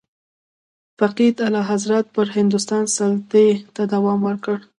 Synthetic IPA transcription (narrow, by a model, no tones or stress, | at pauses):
faqid̪alɑɦazɾat̪̚pəɾhɪnd̪ʊst̪ɑnsalt̪et̪ad̪awɑmwəɾkəɽ